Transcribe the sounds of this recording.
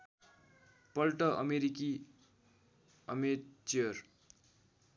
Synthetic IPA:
pʌlʈʌʔʌ̰meɾiki | ʌmet͡siʌr

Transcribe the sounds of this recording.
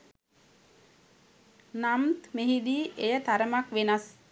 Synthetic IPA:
namt̪meɦid̪iːʔejət̪aɾəmakʋenas

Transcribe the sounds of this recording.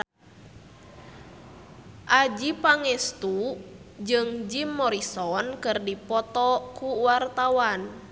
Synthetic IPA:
ʔad͡ʒipaŋɛst̪ud͡ʒɨŋd͡ʒimːɔɾisɔnkɨrdipɔt̪ɔkuwart̪awan

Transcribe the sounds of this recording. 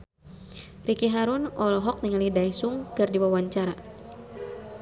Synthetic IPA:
rikiɦaɾunɔlɔɦɔk̚niŋalidajsuŋkɨrdiwawaɲt͡ʃaɾa

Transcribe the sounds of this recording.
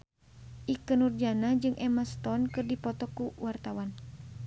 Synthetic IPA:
ʔikənurd͡ʒanad͡ʒɨŋʔɛmast̪ɔnkɨrdipɔt̪ɔkuwart̪awan

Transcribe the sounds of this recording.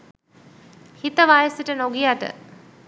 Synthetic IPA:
hit̪əʋaːjəsiʈənoɡijaʈə̰

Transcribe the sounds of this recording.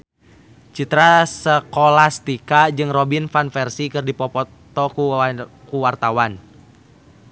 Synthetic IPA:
t͡ʃit̪ɾasəkolast̪ikad͡ʒɨŋrɔbinfanfɛrsikɨrdipɔpɔ | t̪ɔku | kuwart̪awan

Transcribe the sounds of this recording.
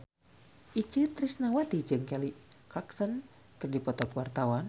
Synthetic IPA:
ʔit͡ʃɨt̪ɾisnawat̪id͡ʒɨŋkɛliʔkaksən | kɨrdipɔt̪ɔkwart̪awan

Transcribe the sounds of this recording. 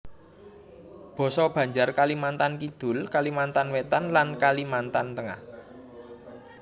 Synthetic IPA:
b̥ɔ̤sɔb̥ä̤ɲd͡ʒarkalimant̪ankid̪̥ʊ̤lkalimant̪anwet̪anlankalimant̪ant̪əŋa̰h

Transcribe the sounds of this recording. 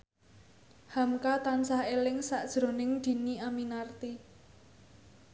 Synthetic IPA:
hamkat̪ansahelɪŋsaʔd̥ʒ̥ɾo̤nɪŋd̪̥i̤niaminart̪i

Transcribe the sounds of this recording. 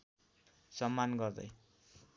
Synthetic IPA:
sʌmːanɡʌrd̪ʌ̰j

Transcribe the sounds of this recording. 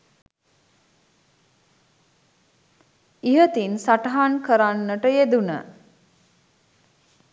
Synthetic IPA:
iɦət̪insaʈəɦankəɾanːəʈəjed̪unə̰

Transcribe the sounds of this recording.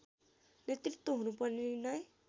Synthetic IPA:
net̪rit̪ːoɦunupʌrninʌj

